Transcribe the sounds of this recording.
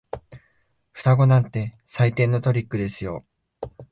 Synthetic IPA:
ɸɯ̟̥t̪aɡo̞nãnt̪e̞ | sait̪ẽ̞nːo̞t̪o̞ɾʲikːɯ̟d̪e̞sɨjo̞

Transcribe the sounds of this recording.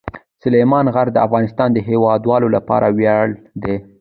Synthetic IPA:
sʊlemɑnɣaɾd̪əafɣɑnɪst̪ɑnd̪əɦewɑd̪wɑlolapɑ̰ɾʔawjaɽ | d̪e

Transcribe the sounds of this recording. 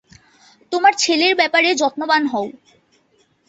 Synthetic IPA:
t̪omaɾt͡ɕʰeleɾbɛpaɾed͡ʑɔt̪nobanɦɔw

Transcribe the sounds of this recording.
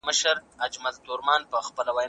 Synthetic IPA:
məʃəɾad͡ʒmald̪ʊɾmɑnpəxpəlawɑj

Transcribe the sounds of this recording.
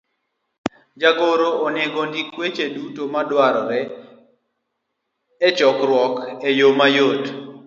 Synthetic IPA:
d͡ʒaɡoɾoʔːneɡondikwet͡ʃedutomadwaɾɔɾɛ | ɛt͡ʃɔkɾwɔkejomajot

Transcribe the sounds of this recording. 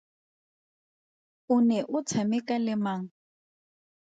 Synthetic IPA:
ʊnɛʔʊt͡sʰamɪkʼalɪmaːŋ̩

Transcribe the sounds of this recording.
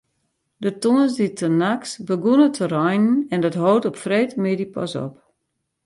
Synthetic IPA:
dətonəsditʰənaksbəɡunətʰərɔjnn̩ɛndɔtɦowtɔpfreːtmɪdipʰɔ̰sɔ̰p̚

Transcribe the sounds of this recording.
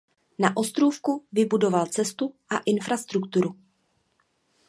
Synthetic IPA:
naʔo̞st̪ɾufkuvɪbudo̞valt͡sɛst̪uʔaʔɪnfɾast̪ɾukt̪uɾu

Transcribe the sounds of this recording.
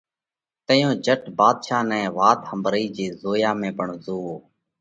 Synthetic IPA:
t̪əjõːd͡ʒəʈbaːd̪ʃaːnɛ̃ːʋaːt̪həmbɾiːd͡ʒeːzoːjaːmẽːpəɳzoːoː

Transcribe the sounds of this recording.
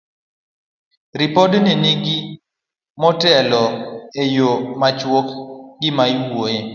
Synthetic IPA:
ɾipɔdniniɡi | mɔtɛlɔejomat͡ʃwokɡɪmajwoje

